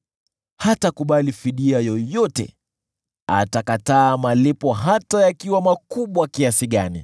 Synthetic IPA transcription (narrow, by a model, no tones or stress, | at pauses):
hatakuɓalifiɗiajɔjɔtɛ̰ | a̰takataːmalipɔɦatajakiwamakuɓwakiasiɠanḭ